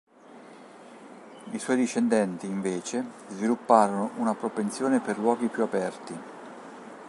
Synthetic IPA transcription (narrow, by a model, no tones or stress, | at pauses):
iswɔːjd̪iʃːend̪ɛnt̪iːɱveːt͡ʃe | zvilupːaːɾonoʔunapɾopent̪sjoːneperlwɔːɡipjuapɛrt̪i